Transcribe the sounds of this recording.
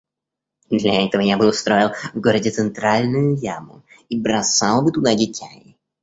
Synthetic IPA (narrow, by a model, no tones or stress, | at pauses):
d̪lʲɐɛt̪əvəjabɨʊst̪ɾojɪlˠvɡoɾədʲɪt̪sɨnt̪ɾalʲnʊjʊjamʊ | ibɾɐsalˠbɨt̪ʊd̪adʲɪtʲæɪ